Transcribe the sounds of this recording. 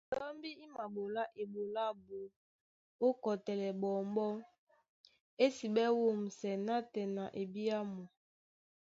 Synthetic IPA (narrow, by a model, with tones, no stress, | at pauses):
dɔ˦mbi˦i˦ma˨bo˨la˦ʔe˨bo˨la˦bo˨ | o˦kɔ˨tɛ˨lɛ˨bɔ˨mbɔ˦ | e˦si˨bɛ˦wo˦m̩˨sɛ˨na˦tɛ˨na˨ʔe˨bi˦a˦mɔ˨